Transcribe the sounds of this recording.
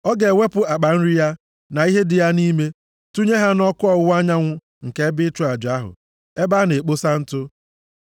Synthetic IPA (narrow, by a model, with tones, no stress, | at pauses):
ɔ˦ɡe˨ŋʷe˦pʊ˦˨a˨k͡pa˨n̩˦ɾi˦ja˦ | na˨i˦ɦe˦dɪ˨ja˦ni˦me˦ | tu˦ɲe˦ɦa˦nɔ˦kʊ˦ɔ˨˦a˦ɲa˦ŋʷʊ˦ | ŋ̩˨ke˦bɪ˦t͡ʃʊ˦a˨d͡ʒa˦ɦʊ̰˨ | e˦ba˦ne˨k͡po˦sa˦n̩˦tʊ˦